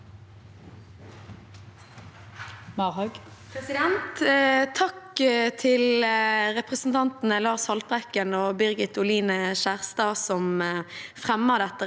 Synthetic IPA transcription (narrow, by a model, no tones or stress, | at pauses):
mɑʁhœɡ | pʰʁɛsɪd̪ɛnt̪t̪ʰɑkt̪ʰɪlʁɛpʁəsn̩t̪ʰɑnt̪n̩əlɑːʁshɑlt̪ʁɛkənoːbʏʁɡɪt̪ʊliːnəʃæːʁst̪ɑːsɔmfʁɛmːəʁd̪ɛt̪ːə